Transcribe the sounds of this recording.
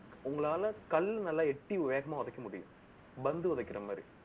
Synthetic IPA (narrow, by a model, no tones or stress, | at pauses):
uŋːɐɭaːɭɨkɐlːnɐlːɐeʈːiʋiʋeːɡɐmaːʋɐðɐkʲːɐmuɽijṵm | bɐnd̪ɨɐðɐkʲːirɐmːɐ̰ːɾḭ